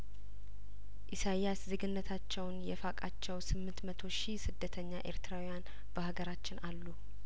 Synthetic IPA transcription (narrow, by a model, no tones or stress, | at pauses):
ʔisajjaszɨɡɨnːət̪ʰat͡ʃːɛwnjɛfakʼat͡ʃːɛwsɨmːɨnt̪mət̪ʰo̞ʃisɨd̪ːət̪ʰəɲːaʔe̞̰ɾt̪ʰɨɾawijan | b̥əhaɡəɾat͡ʃːɪnalːu